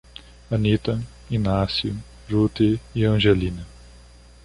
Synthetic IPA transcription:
ɐnit̪ɐ | inasjʊ | ʒut̪eiɐ̃ʒelĩnɐ

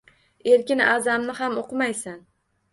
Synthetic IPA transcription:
e̞ɾkʲɪnazamnɪhamoqʰɨmajsan

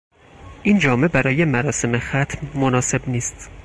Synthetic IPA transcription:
ʔiːnd͡ʒɒːme̞bæɾɒːje̞mæɾɒːse̞mexæt̪ʰmːonɒːse̞bniːst̪

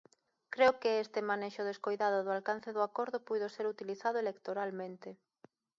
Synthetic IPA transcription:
kɾeʊkɪest̪emaneʃʊðeskojðaðʊðʊalkan̟θeðʊakoɾðʊpujðoseɾut̪iliθaðʊelekt̪oɾalmẽnt̪e

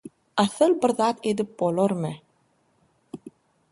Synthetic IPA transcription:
ɑθɯlˠbɪɾðɑt̪ed̪ip̚bolˠoɾmɨ

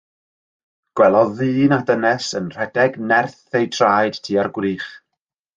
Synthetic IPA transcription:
ɡ̥wɛlˠɔðɨːnadənɛsənr̥ɛdɛɡnɛrθːejdʰraːjd̥tʰiːarɡwɾiːχ

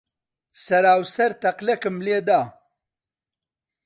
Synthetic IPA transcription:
sɐɾaːwsɐɾt̪ɐqlɐkɨmleːd̪aː

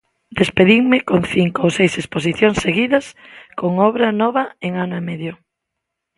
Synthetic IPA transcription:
d̪espeðiŋmɪkoŋθiŋkoowsejsespos̬iθjoŋseɣiðɐs | koŋɔβɾɐnɔβɐeŋanʊemɛðjo

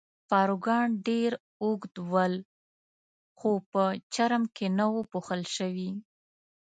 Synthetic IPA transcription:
fɑɾoɡɑɳɖeɾ | uɡd̪wəl | xopət͡ʃaɾəmkenawopuxəlʃəwi

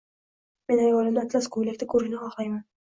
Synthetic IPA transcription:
me̞najwɒlɪmd̪at̪ʰlaskʰolek̚ʲt̪akʰɵɾɪʃnɪχɒχlˠajman

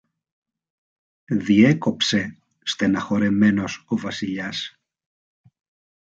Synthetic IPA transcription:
ðie̞ko̞pse̞ | st̪enɐxo̞ɾe̞me̞no̞so̞vɐsiʎɐs

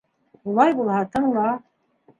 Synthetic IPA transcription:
ulˠɑjbulˠhɑt̪ʰɤŋlˠɑ

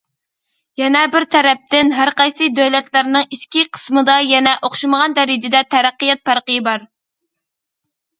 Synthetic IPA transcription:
jɛnɛbɪɾt̪ʰɛɾɛp̚t̪ɪnɦæɾqɑjsɨd̪øwlɛt̪læɾnɨŋiʃkʲiqʰə̥smɨd̪ɑjɛnɛʔoχʃɨməʁɑnd̪ɛɾɪd͡ʒɪd̪ɛt̪ʰɛɾæqːɨjɛt̪̚pæɾqɨjbɑɾ

